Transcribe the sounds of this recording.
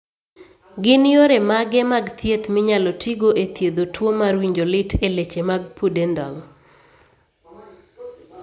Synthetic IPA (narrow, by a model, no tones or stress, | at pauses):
ɡɪnjoɾemaɡɛmaɡt̪ʰjet̪mɪɲalɔtʰiɡoʔet̪jed̪otʰwomaɾwiɲd͡ʒolɪtʰelet͡ʃemaɡ̚pʰudɛndɔl